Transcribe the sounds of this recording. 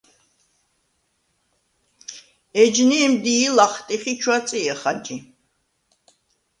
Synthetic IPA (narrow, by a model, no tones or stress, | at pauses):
ɛd͡ʒniɛmd̪iːlaχt̪ʼiχit͡ʃʰwat̪t͡sʼiɛχad͡ʒi